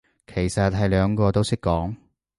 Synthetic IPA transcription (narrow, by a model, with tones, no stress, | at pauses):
kʰe˨˩jsɐ˨t̚ɦɐ˨˧jlœː˨˧ŋkɔː˧t̪o˥wsɪ˥kːɔː˨˥ŋ